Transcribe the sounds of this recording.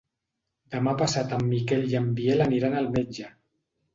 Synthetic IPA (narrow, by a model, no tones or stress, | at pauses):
d̪əmapasat̪amːikɛljambielaniɾanalˠmed͡ʒə